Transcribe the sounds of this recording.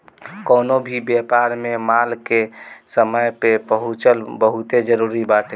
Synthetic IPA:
kɔːnobʱibjepaːɾmemalkesəməjpebəɦʊt͡ʃəlbəɦʊt̪ed͡ʒəɾuːɾibaːʈ̪

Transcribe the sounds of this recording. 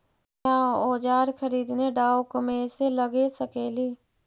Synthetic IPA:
ãːoːd͡ʒaːɾkʰəɾiːd̪neːɖaːokəmẽːseːləɡeːsəkeːliː

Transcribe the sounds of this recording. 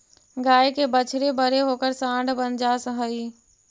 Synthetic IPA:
ɡaːjkebət͡ʃʰɽebəɾeɦoːkəɾsãːɳɖbənd͡ʒasə̃ɦəi

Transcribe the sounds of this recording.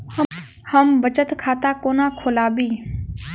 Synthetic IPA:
həmbət͡ʃət̪kʰaːt̪aːkoːnãːkʰoːlaːbiː

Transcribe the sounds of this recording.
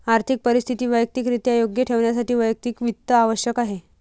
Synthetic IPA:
aɾt̪ʰik̚pəɾist̪ʰit̪iːʋəjək̚t̪iːkɾit̪jajoɡjəʈʰeʋɳjas̬aʈiːʋəjək̚t̪iːkʋit̪ːəaʋəɕjəkaɦe

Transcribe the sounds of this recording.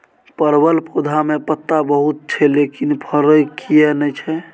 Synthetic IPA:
pəɾbəlpod̪ʱamepət̪ːabəɦut̪̚t͡ʃʰɛlekinpʰəɾəjkʰijɛnɛjt͡ʃʰɛ

